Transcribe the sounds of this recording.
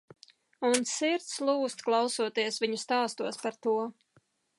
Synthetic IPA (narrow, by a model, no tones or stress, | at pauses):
unsiɾt̪slˠuːst̪klˠɑwsuɔt̪iɛsviɲust̪aːst̪uɔspaɾt̪uɔ